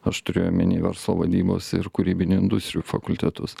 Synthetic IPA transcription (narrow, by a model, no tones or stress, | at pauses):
ɐʃt̪ʊɾʲeːjomʲɪnʲiːʋʲɛɾslˠoːʋɐd̪ʲiːbo̰ːsɪɾkʊɾʲiːbʲɪnʲʊɪnd̪ʊst̪ʲɾʲɪuːfɐkʊlʲt̪ʲɛt̪ʊs